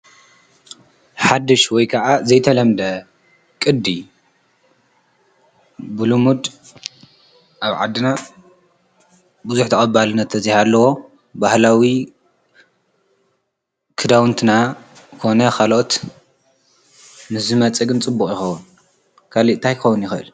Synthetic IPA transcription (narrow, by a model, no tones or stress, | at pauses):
ħad̪ɨʃwɔjkʰɐʔazɐjt̪ʰɐlɐmd̪ɐ | kʼɨd̪ːi | bulumud̪ | ʔaβʕa̰d̪ːɨna | bɨzuħt̪ʰɐχʼɐbalɨnːɐt̪ːʰɐzihalːɐwo̞ | bahlawi | kʰɨd̪awnt̪ʰɨna | kʰo̞nɐkʰalʔot̪ | mɨszɨmɐt͡sʼɐɡɨnt͡sʼɨbːukʼjɪxɐwʊn | kʰaliʔ̪t̪ʰajxɐwʊnjɪxɨʔɨ̰l